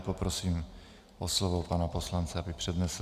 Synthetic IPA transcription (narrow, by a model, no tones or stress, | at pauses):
popɾosiːm | ʔoslovopanaposlant͡sɛabɪpr̝̥ɛd̪nɛs